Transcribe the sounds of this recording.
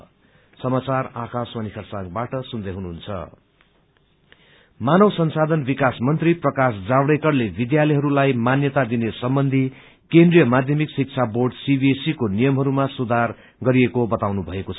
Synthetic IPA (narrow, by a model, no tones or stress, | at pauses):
sʌmat͡sarakãswanikʰʌrsãɡbaʈʌsund̪ʌjɦunuɦunt͡sʰʌ̰ | manʌwsʌnsad̪ʱʌnbikasmʌnt̪riprʌkasd͡zabɽekʌrlebid̪jalʌjɦʌɾulajmanjʌt̪ad̪inesʌmbʌnd̪ʱi | kend̪rijʌmad̪ʱjʌmiksik̚t͡sʰaborɖsibiesikonijʌmɦʌɾumasud̪ʱar | ɡʌɾiekobʌt̪awnubʱʌeko